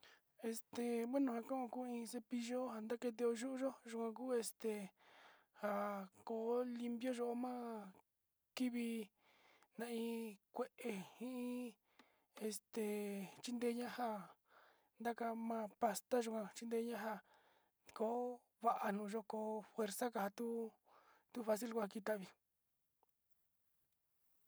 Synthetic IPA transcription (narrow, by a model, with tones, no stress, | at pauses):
e˧st̪e˨βe˦nũ˧ha˧kã˦ʔõ˧kuː˦ĩ˧se˧pi˧ʒo˦ha˧nd̪a˦ke˧t̪̬e˧o˧ʒu˦ʔu˦ʒo˦ʒu˧kʷã˧k̬uː˦e˧st̪e˨ | ha˨ko˧˦li˧mbjo˦ʒo˧ʔmã˦ | ki˦βi˧ | nã˧ĩ˧kʷe˦˧ʔe˨hĩ˦ʔĩ˦ | e˧st̪e˨t͡ʃi˦nd̪e˧˦ɲã˦ha˧ | nd̪a˦ka˧mã˧pa˧st̪a˦ʒo˧kã˧t͡ʃi˦nd̪e˧˦ɲã˦ɦa˧ | ko˦ | βa˧ʔa˧nũː˧˨ʒo˦˧koː˧fwe˧ɾsa˦ka˧˨ha˧t̪u˦ | t̪u˦fa˧s̬i˦lkʷa˧ki˧t̪a˦ʔβi˧